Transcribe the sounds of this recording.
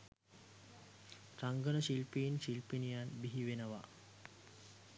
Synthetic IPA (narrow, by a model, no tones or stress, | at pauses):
ɾaŋɡənəʃilpinɕilpinijanbiɦiʋenəʋa